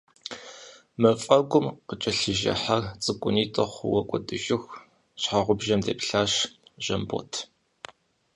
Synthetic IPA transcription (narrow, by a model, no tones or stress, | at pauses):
mɐfʼɐɡʷʊmqət͡ʃʼɐɬɨʒɐ̰ħart͡sʼɨkʷʼʊniːtʰʼɐχʷʊwɐkʷʼɔdɨʒɪx | ɕħaʁʷʊbʒɐmdḛːpɬaːɕʒ̥ɐmbo̰tʰ